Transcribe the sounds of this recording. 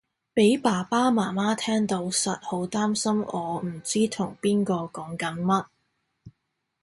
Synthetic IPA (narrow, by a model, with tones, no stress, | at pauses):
pe˨˥jpaː˨˩paː˥maː˨˩maː˥t̪ʰɛː˥ŋt̪o˨˧˥wsɐ˨t̚ho˨˥wt̪aː˥msɐ˥mɔː˨˧m̩˨˩t͡siː˥t̪ʰʊ˨˩ŋpiː˥nkɔː˧kɔː˨˥ŋkɐ˨˥nmɐ˥t̚